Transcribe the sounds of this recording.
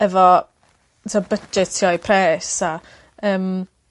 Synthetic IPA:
ɛvɔ | tʰɔbəd͡ʒɛtʰiɔipʰrɛːsa | əːm

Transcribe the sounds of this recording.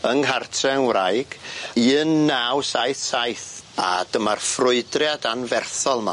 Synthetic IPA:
əŋɦartʰrɛwrajɡ̥iːnːawsajθsajθa̰d̥əmarfrʊɨdrjadanvɛrθɔlˠma̰

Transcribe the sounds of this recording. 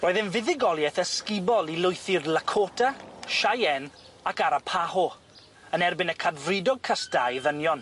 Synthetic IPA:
roːðɪnvɪðɪɡɔlˠjɛθəskɪbɔlˠilʊjθɪrlˠakʰoːtʰaʃajɛn | akaɾapʰaɦɔ | ənɛrbɪnəkʰadvrɪdɔɡ̚kʰasd̥ajvənjɔn

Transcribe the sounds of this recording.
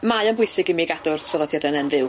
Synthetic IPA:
majənbʊɨsɪɡɪmiɡadʊrsɔðɔdjadɛnɛnvɨw

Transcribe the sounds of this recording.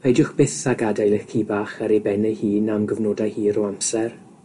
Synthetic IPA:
majdʊχb̥ɪθaɡadajlɪxkʰiːbaːχəɾebɛnəjhiːnamɡəvnoːdajhiːɾɔamsɛr

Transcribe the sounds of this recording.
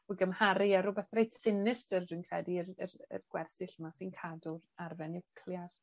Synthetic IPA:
ɔɡəmhaɾɪaɾʊbɛθrejtsɪnɪstərdɨnkʰrɛdirərə̰rɡ̥wɛrsɪɬmasinkʰadʊrarvɛnɪwkʰlˠjar̥

